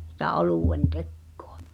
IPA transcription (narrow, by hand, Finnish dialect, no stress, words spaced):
sĭtæ oluˑwen tekːo̥ɑ̥